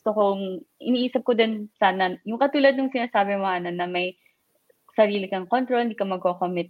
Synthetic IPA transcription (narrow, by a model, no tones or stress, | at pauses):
st̪okoŋʔɪ̰niːʔiːsɐp̚kod̪onsaːnɐjʊŋkɐt̪uːlɐd̪nʊŋsɪnaːsaːbɛmoʔanɐnɐmɐj | sɐɾiːlɪkɐŋkont̪ɾolɪnd̪iːkɐmɐɡ̚kokomɪt̪̚